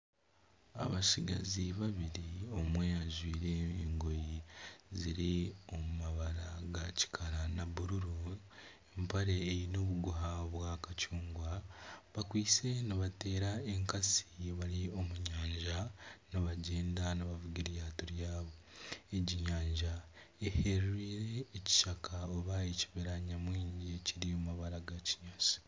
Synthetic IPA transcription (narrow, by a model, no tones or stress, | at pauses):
a̰βaʃiɡa̰ziβaβiɾio̞mwe̞aʒwiːɾe̞ːŋɡo̞jiziɾio̞mumaβaɾaɡaci̥kʰaɾanaβuɾuɾu | empaɾeːjino̞βuɡuɦaβwaːkat͡ʃuːŋɡwaβakwiːse̞niβate̞ːɾae̞ŋkasiβalio̞muɲaːɲʒaniβaɟeːndaniβavuɡiɾjaːtuɾjaːβo̞ | eɟiɲaːɲʒa | ehe̞ɾiːɾe̞ːci̥ʃakaoβajeciβeɾaɲamwiːɲɟiciɾiomaβaɾaɡaci̥ɲasi̥